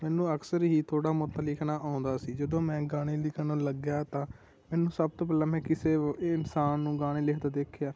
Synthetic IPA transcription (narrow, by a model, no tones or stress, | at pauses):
mɛːnũːəksəɾɦiːt̪ʰoːɽaːmʊt̪alɪkʰnaːʔaːʊ̃nd̪aːsiːd͡ʒəd̪õːmɛ̃ːɡaːɽ̃eːlɪkʰnaːləɡjaːt̪ãː | mɛːnũːsəb̚t̪oːp̬ɛːlaːmɛ̃ːkɪseːɪnsaːnːũːɡaːɽ̃eːlɪkʰd̪aːd̪eːkʰjaː